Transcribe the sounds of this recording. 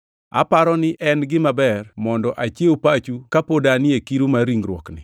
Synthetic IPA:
a̰paɾɔnɪʔɛnɡɪmabɛrmɔndɔʔat͡ʃeopat͡ʃukapodanɪekiɾumaɾiŋɾwɔknɪ̰

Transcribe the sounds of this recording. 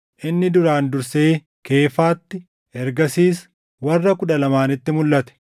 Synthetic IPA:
ʔɪnːɪd̪ʊɾaːnd̪ʊɾse̞ː | ke̞ːfaːt̪ːɪ | ɛɾɡɐsiːs | wɐrːɐkʊᶑɐlɐmaːnɪt̪ːɪmʊlːɐt̪ɛ̥

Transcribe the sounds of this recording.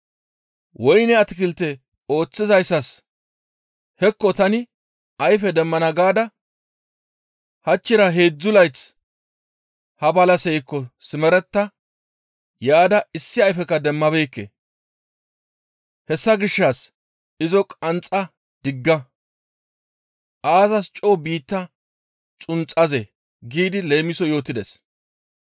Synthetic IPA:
wɔjnɛɐt̪ɪkɪlt̪ːɛ | o̞ːt͡sːɪzɐjsːɐs | hɛkːɔt̪ɐnɪ | ɐjfɛd̪ɛmːɐnɐɡaːd̪ɐ | hɐt͡ʃːɪɾɐɦe̞ːd͡zːʊlɐjt͡s | hɐbɐlɐsɛjkːɔsɪmɛɾɛt̪ːɐ | jaːd̪ɐɪsːɪɐjfɛkɐd̪ɛmːɐbeːkːḛ | hɛsːɐɡɪʃːas | ɪzɔkʼɐnt͡sʼːɐ | d̪̥ɪɡːɐ | ʔaːzɐst͡ʃʼoːbiːt̪ːɐ | t͡sʼʊnt͡sʼːɐze | ɡiːd̪ɪle̞ːmɪsɔjo̞ːt̪ːɪd̪ɛs

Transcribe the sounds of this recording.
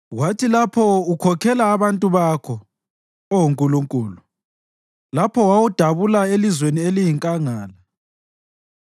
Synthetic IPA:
ɣwatʰilapʰɔukʰɔkʰɛlaːβantʼuβakʰɔ | ɔwuŋkʼuluŋkʼuːlu | lapʰɔwawud̥ʱaβulaelizwenielijiŋkʼaŋaːla

